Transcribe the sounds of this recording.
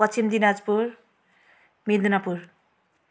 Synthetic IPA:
pʌtʰːimd̪inad͡zpuɾ | mild̪unapuɾ

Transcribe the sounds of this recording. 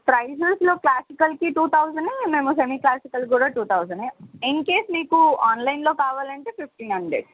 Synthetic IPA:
pɾɐjseslo̞ːklaːsikɐlkiʈuːt̪ʰɐwsɐnɐmeːmusemiklaːsikɐlk̬uːɽaːʈuːt̪ʰɐwd͡ʒɐɳɖejenke̞ːsniːkuaːnlɐjnlo̞ːkaːʋaːlɐɳʈeːpʰip̚ʰʈiːnɦɐɳɖɾḛɖ

